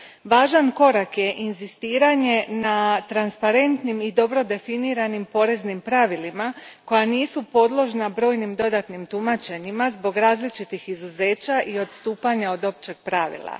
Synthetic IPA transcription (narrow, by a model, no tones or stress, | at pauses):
ʋaːʒanko̞ɾakje̞ʔinzist̪iːɾaɲe̞nat̪ɾanspaɾe̞nt̪nimid̪o̞bɾo̞d̪e̞finiːɾanimpo̞ɾe̞znimpɾaʋilimako̞janiːsupo̞d̪lˠo̞ʒnabɾo̞ːjnimd̪o̞d̪at̪nimt̪umat͡ʃe̞ɲimazbo̞ɡɾaːzlit͡ʃit̪ixizuze̞ːt͡ɕaʔio̞d̪st̪uːpaɲao̞d̪o̞pt͡ʃe̞ɡ̥̚pɾaʋḭlˠa̰